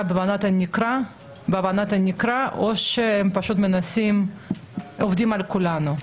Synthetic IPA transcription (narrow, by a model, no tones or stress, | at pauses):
abevanat̪enikɾa | beavanat̪enikɾaʔoʃeempaʃut̪menasim | ovd̪imalkulanu